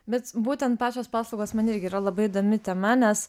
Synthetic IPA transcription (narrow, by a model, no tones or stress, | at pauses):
bʲɛt̪buːt̪ʲɛnt̪̚pɑːt͡ʃʲoːspɑːslˠɐʊɡoːsmɐnɪɾʲɡʲɪiːɾɐlˠɐbɐɪid̪oːmʲɪt̪ʲɛmɐnʲɛs